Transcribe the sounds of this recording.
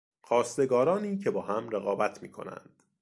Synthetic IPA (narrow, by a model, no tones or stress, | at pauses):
xɒːst̪e̞ɡɒːɾɒːniːcʰe̞bɒːhæmɾeɣɒːbæt̪ʰmḭːkʰo̞̰næ̰nd̪̥